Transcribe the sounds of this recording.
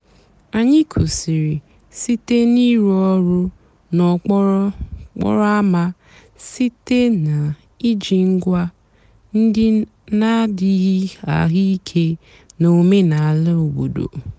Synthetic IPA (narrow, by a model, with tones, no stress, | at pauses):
a˨ɲɪ˦kʰo˨si˨ɾi˨ | si˦te˦ni˦ɾɔ˦ɾʊ˦ | nɔ˨k͡pɔ˦ɔ˦k͡pɔ̰˦ɾɔ˦a˦ma˦ | si˦te˦na˨ | i˦d͡ʒi˨ŋ̩˦ɡʷa˦ | n̩˦dɪ˦ | na˦dɪ˦ɣi˦a̰˨ɣi˦i˦kʰe˦ | no˨me˦na˨a˨lɪ˦o˨ɡ͡bo˨do̰˨